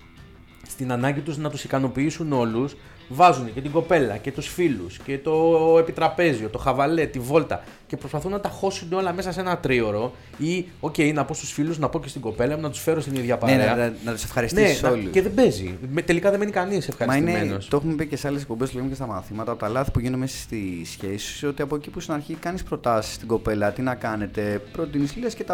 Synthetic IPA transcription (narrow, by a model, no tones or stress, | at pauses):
st̪inɐnɐɲɟit̪uznɐt̪usikɐno̞piisuno̞lus | vɐzunece̞t̪iɡo̞pe̞lɐ̰ce̞t̪usfilusce̞t̪o̞epit̪ɾɐpe̞zio̞t̪o̞xɐvɐle̞t̪ivo̞lt̪ɐ̰ | ce̞pɾo̞spɐθunːɐt̪ɐxo̞sund̪o̞lɐme̞sɐse̞nɐt̪ɾio̞ɾo̞ | io̞ce̞jnɐpo̞st̪u̥sfiluznɐpo̞cest̪iɡo̞pe̞lɐemunɐt̪u̥sfe̞ɾost̪iniðʝɐpɐeɾneɐnɐt̪u̥sefxɐɾisneisso̞lusceðebe̞zḭmet̪e̞likɐðeme̞nikɐnise̞fxɐɾmɐsinemeno̰st̪oxumepicesɐles̬ek̚pobest̪loomcest̪ɐmɐθimɐt̪ɐpot̪ɐlɐθi̥puʝinumesɐ̥st̪isçesi̥sso̞t̪iɐpoecipust̪inɐɾçikɐnispɾo̞t̪ɐsi̥st̪iɡo̞pe̞lɐt̪inɐkɐne̞t̪e̞pɾo̞t̪inislulescet̪ɐ